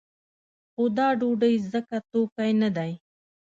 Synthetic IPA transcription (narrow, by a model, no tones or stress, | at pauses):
xʊd̪aːɖuːɖəizəkat̪oːkajnɐd̪aːĩ